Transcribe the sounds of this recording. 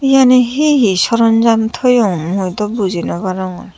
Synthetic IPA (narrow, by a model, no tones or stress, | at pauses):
ijaneɦiɦisɔɾɔnd͡ʒamt̪ʰɔjɔmujt̪ɔbuzʱinɔbaɾɔŋɔ̰